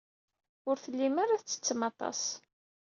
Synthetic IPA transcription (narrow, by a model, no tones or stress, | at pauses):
ʊɾθəlːimaɾaθt͡sːə̥t͡sːəmɑt̪ˤɑ̰s